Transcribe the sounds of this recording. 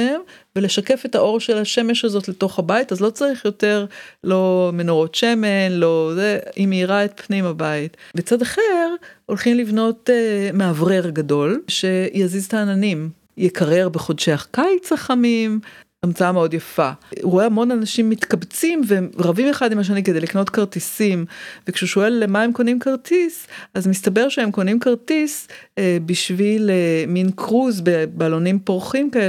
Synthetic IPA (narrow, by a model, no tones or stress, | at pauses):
emvele̞ʃake̞fe̞thaʔoʁʃelaʃe̞me̞ʃhazo̞tleto̞χhabaitazlo̞t͡saʁiχjo̞te̞ʁlo̞me̞noʁo̞tʃemenlo̞zeimeiʁaet̪̚pnimabaitbet͡sadaχeʁo̞lχimlivno̞tmeavʁeʁɡado̞lʃe̞jaziztaːnanim | jekʰaʁe̞ʁbeχo̞dʃeaχkajt͡saχamim | amt͡saameo̞djafaʁoeamo̞nanaʃimːit̪kabt͡simveʁavimeχad̪imaʃ̬aniked̪ejlikno̞t̪kaʁtisimvekʃeuʃo̞e̞lːemaemkonimkaʁt̪isazmist̪abe̞ʁʃeemko̞nimkaʁtisbiʃvileminkʰʁuzbebaːlonimpoʁχimkae